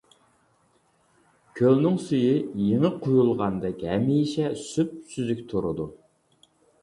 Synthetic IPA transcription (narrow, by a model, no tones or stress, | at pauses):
kʲʰølnɪŋsyjijeŋɪqʰojulˠʁɑnd̪ɛkʲhɛmijʃɛsyp̚syzykʲt̪ʰoɾɨd̪u